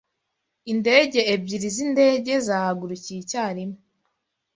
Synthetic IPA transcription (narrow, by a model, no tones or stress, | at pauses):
inde̞ɟe̞ːbɟiɾizinde̞ɟe̞zaːhaɡuɾuciːcaːɾimo